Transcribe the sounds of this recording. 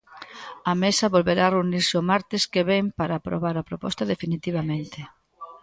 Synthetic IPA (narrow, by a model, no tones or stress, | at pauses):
ɐmesɐβolβeɾareuniɾseomaɾt̪ɪskeβempaɾaːpɾo̰βaɾapɾopɔ̰st̪ɐðefinit̪iβ̞amẽnt̪ɪ